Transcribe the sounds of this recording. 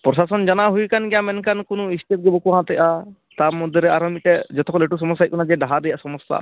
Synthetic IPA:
pɾɔsasɔnd͡ʒanaɦujkanɡɛjamɛnkankɔnɔist̪it̪̚ɡɛbɔkuɦãt̪ɛʔa | t̪amɔd̪ʱjɔɾɛaɾɔmiʈɛd͡ʒɔt̪ɔkɔleʈus̬ɔmɔs̬ːajt̚kɔnad͡ʒɛɖaɦaɾɛjaʔsɔmɔst̪a̰

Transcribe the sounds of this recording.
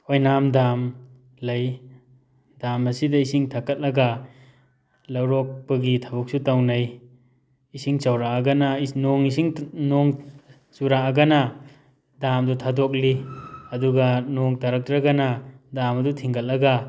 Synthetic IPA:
ojnamdam | lɐj | damɐsidɐisiŋtʰakɐt̚lɐɡɐ | lɐwɾɔk̚pɐɡitʰɐbuk̚sutawnɐj | isiŋsɐwɾaɐɡɐnɐnoŋisiŋnoŋ | suɾaɐɡɐnɐ | damdutʰadok̚liɐduɡɐnoŋtɐɾɐk̚tɾɐɡɐnɐdamɐdutʰiŋɡɐt̚lɐɡa

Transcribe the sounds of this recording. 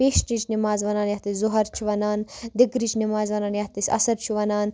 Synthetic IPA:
peːʃnit͡ʃnimaːzʋɐnaːnjɐht̪iszʊɦɐɾt͡ʃʰiʋɐnaːnd̪iɡɾit͡ʃnimaːzʋɐnaːnjɐht̪isʲɐ̰sɐɾt͡ʃʰiʋɐnaːn

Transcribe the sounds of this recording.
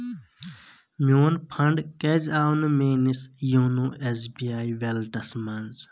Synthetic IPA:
mʲoːnpʰɐɳɖkezaːwnmeːnisjuːnuːʔesbiːaːjʋelʈɐsmɐnz

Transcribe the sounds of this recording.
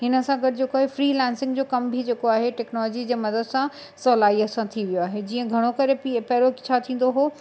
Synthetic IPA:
ɦɪnə̆sãɡɐʈɪd͡ʑeːkoaːɦefɾiːlɛ̃ːnsɪ̃ŋɡd͡ʑoːkɐmbʱid͡ʑeːkoaːɦeʈɛːknɔːlɔːd͡ʑid͡ʑeːmɐd̪əd̪sã | sɔːlaːiɐsãt̪ʰiʋijoaːɦed͡ʑiːə̃ɡʱɐɽ̃okɐɾepipɐɦɾot͡ɕʰat̪ʰĩːn̆d̪oɦoː

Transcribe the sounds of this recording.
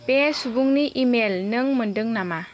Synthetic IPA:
pesubuŋniʔimelnɯŋməndɯŋnama

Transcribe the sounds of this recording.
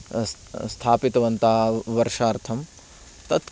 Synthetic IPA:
st̪ʰaːpit̪ɐʋɐnt̪aːʋɐɾʂaːɾt̪ʰɐm | t̪ɐt̪

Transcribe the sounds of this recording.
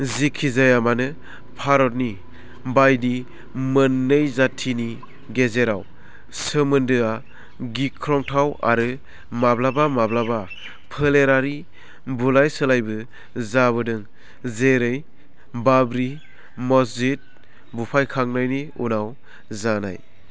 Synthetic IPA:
zikʰizajamanɯ | pʰaɾɔt̚ni | bajdi | mɯnːɯjzatʰini | ɡezeɾaw | səmɯndɯa | ɡikʰɾɔŋtʰawa̰ɾɯ | mablabamablaba | pʰɯleɾaɾi | bulajsɯlajbɯ | zaβɯdɯŋ | zeɾɯj | babɾi | mɔsit̚ | bupʰajkʰaŋnajniṵnaw | zana̰j

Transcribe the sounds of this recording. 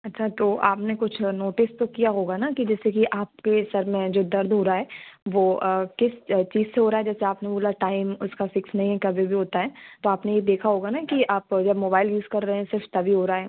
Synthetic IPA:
ɐtːʃʰat̪oːʔaːpnekʊt͡ʃʰnoːʈɪst̪okijaɦoːɡanakid͡ʒɛːsekiʔaːp̚kesɐɾmẽd͡ʒoːd̪ɐɾd̪ʱɦoːɾaɦɛːʋoːəkɪst͡ʃiːzseɦoːɾaːɦɛd͡ʒɛːseaːpneboːlaʈaːɪmʊskafɪksnɐɦĩɦɛkɐbʱibʱiɦoːt̪aɦɛːt̪oaːpnejed̪eːkʰaɦoːɡanakiaːpd͡ʒɐbmoːbaːɪljuːzkɐɾːɐɦeɛ̃sɪɾft̪ɐbʱiɦoːɾaaɦɛː

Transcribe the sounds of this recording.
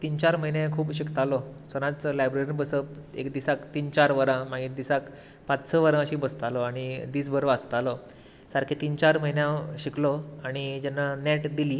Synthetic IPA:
t̪iːnt͡ɕaɾməɦinjãkʰuːpɕikt̪alɔsənãt͡səlajbɾeɾinbəsəpḛkd̪isakt̪iːnt͡ɕaɾʋəɾãmaɡiʈ̚d̪isak | pat͡ssəʋəɾãəɕibəst̪alɔaɽ̃id̪iːsbəɾəʋəst̪alɔ | saɾkʰet̪iːnt͡ɕaɾməɦinjãɕiklɔaɽ̃id͡ʑanːanɛʈd̪ili

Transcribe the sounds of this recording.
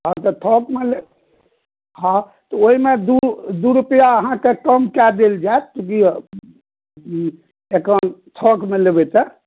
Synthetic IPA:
at̪ət̪ʰɔkmele | hã | t̪ɔoimed̪ud̪uɾupəjaəɦãkekəmkɛd̪eld͡ʒaet̪t̪uki | ekənt̪ʰɔkmelebɛt͡ʃɛ

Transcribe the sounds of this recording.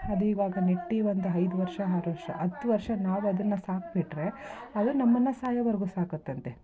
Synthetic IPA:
ɐd̪iːʋaːɡɐneʈːiʋond̪uɐjd̪uʋɐɾʂɐɦɐɾʋɐɾʂɐʔɐt̪ːuʋɐɾʂɐnaːʋuɐd̪ɐnːɐsaːk̚biʈːɾe̞ɐd̪unɐmːɐnːɐsaːjɐʋɐɾɡuːsaːkot̪ːɐnt̪e

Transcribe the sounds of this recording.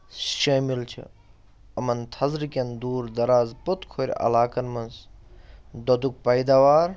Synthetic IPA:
ʃɐːmilt͡ʃʰḭ | ɐmɐnt̪ʰɐzɾkʲɐnd̪uːɾd̪ɐɾaːzpot̪kʰoɾ̰ʲɐ̰laːkɐnmɐns | d̪od̪uk̚pɐjd̪aːʋaːɾ

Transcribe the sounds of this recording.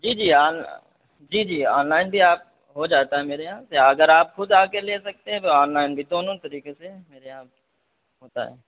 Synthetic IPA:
d͡ʒiːd͡ʒiːaːn | d͡ʒiːd͡ʒiːa̰ːnlaːɪnbʱiaːp̚ | ɦod͡ʒaːt̪aɦɛmeːɾeɦãseɐɡəɾaːpxʊd̪aːkeleːsɐk̚t̪eɦɛ̃t̪oɔːnlaːɪnbʱid̪oːnõt̪ɐɾiːkesemeːɾeɦãː | ɦoːt̪a̰ɦɛ̰ː

